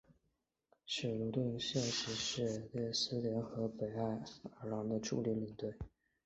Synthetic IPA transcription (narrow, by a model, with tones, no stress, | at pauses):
ʂ̩˨˩lu˧˥t̪i˥˧ŋɕjɛ˥˩ʂɻ̩˧˥ʂɻ̩˥˩ljɛ˥˩sɹ̩˥ljɛ˧˥nxɤ˧˥pe˨˩ɪa˥˩ɪə˧˥lɑ˧˥ŋd̪ə˧ʈ͡ʂʰṵ˥˧li˧˥li˨˩ŋt̪we˥˩ɪ